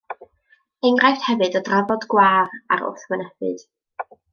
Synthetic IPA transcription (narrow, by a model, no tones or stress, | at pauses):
eŋrajfthɛvɨdɔdravɔdɡwaːra̰ɾʊ̰θwənɛvɨ̰d̥